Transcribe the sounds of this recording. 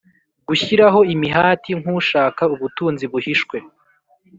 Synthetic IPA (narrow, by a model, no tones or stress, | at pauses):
ɡuçiɾaɦo̞imiɦaːtiŋ̥huʃaːkauβutuːnziβuhiʃkwe̞